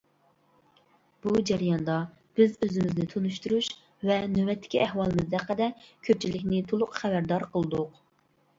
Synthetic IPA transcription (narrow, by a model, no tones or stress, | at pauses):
b̥ud͡ʒɛɾijɑnd̪ɑ | b̥ɪzøzɪmɪznɪt̪ʰonuʃt̪uɾuʃ | vɛnøwɛt̪ʰːɪ̥kʲiʔɛhwɑlˠɨmɨzd̪ɛqːəd̪ɛkʲʰøp̚t͡ʃʰilɪkʲnɪt̪ʰolˠʊqχɛbæɾd̪ɑɾqʰəlˠɨd̪ʊq